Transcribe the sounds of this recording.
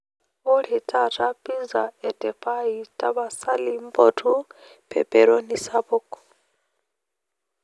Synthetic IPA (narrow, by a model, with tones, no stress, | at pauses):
u˦ɺi˨tʼa˦tʰʼa˦pʼi˦nza̰˨ɛ˨tʼɛ˨pʰʼa˦itʼa˦βa˨sa˦li˦m˦bo˦tʰu˦ | pʰɛ̰˨pʼɛɺo˦ni˦saβɔ˦kʼɔ̥